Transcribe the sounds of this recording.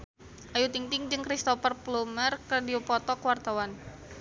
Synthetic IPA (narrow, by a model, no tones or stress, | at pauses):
ʔajut̪iŋt̪ɪŋd͡ʒɨŋkɾist̪ɔfərplumərkərdiupɔt̪ɔkwart̪awan